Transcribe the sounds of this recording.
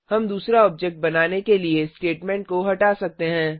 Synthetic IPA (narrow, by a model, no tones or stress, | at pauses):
hɐmd̪uːsɾaɔːbd͡ʒɛk̚ʈ̚bɐnaːnekeliesʈeːʈmɛ̃ːɳʈ̚koɦɐʈaːsɐk̚t̪eɦɛ̃ː